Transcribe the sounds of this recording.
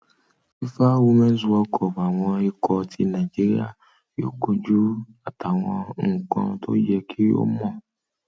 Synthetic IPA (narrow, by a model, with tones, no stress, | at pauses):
i˦fa˦wo˧mɛ̃˦zu˧ɔ˧kʰɔ˨ba˨w̃ɔ̃˧i˧kʰɔ˧tʰi˧nã˨d͡ʒi˦ɾi˦a̰˦˨ | jo̰˦ko˧d͡ʒu˦ | a˨ta˨w̃ɔ̃˧˨˦ŋ̩˨kɔ̰̃˧tʰo̰˦d͡ʒɛ˧kʰi˦o̰˦mɔ̃˦˨